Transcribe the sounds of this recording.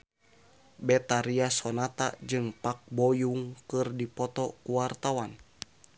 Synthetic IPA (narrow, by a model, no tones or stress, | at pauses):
bɛt̪aɾiasɔnat̪a̰d͡ʒɨŋpak̚bɔjuŋkɨrdipɔt̪ɔkuwart̪awan